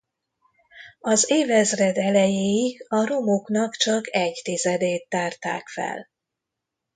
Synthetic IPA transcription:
ɒzeːvɛzrɛd̪ɛlɛjeːiɡɒɾo̞moknɒkt͡ʃɒkɛɟt̪izɛd̪eːt̪ːaːrt̪a̰ːkfɛ̰l

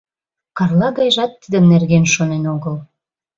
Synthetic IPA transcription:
kɑrlɑɣɑjʒɑt̪ːid̪əmnerɣenʃonenoɣəl

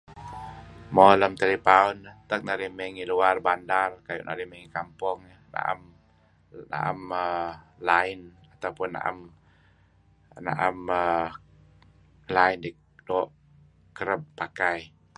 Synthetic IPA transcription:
moləmt̪elipaʊnət̪ək̚naɾihmeŋiluarbandarkajʊ̰ʔna̰ɾihmɛŋikampʊŋ | na̰ʔa̰m | na̰ʔa̰məlaɪn | at̪awpʊnːa̰ʔa̰m | na̰ʔamə | laɪndi | dɔʔ | kəɾəb̚pːakaj

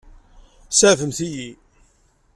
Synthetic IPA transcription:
sæʕvəmθiji

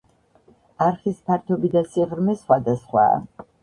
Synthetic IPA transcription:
aɾχispʰaɾt̪ʰɔbid̪asiʁɾmɛsχwad̪asχwa̰ː

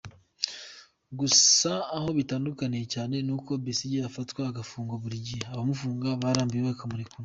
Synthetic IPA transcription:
ɡusaːho̞βitaːndukanijecaːne̞nuko̞bisiɟiafatwaːɡafuːŋɡoβuɾiɟiaβamufuːŋɡaβaːɾaːmbijeβakamuɾikuɾu

